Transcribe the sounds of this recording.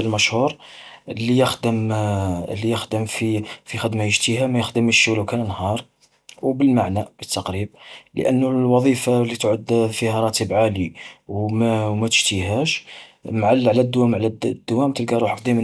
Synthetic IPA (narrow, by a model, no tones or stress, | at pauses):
əlmæʃhuɾlijəxd̪əm | lːijəxd̪əmfifixəd̪majəʒt̪ihæmæjəxd̪əmʃwlækænnhɑɾˤ | wbəlmaʕnæbət̪ʰːɑqɾib̚lə̰ʔə̰nːʊwɑðˤifalit̪ʕəd̪fihæɾˤɑt̪ibʕaliwmwmæt̪ə̥ʒ̥t̪iɦæʃmʕalʕlæd̪ːwæmʕlæd̪̥ːwæmt̪əlɡɑɾˤuħfd̪ˤim